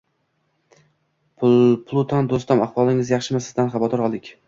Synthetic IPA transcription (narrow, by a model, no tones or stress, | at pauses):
ppʰlˠut̪ʰɒnd̪ost̪amaχwɒlˠɪŋɪzjɑχʃɪmasɪzd̪anχɑbɒt̪ɒɾɒlˠd̪ɪkʲ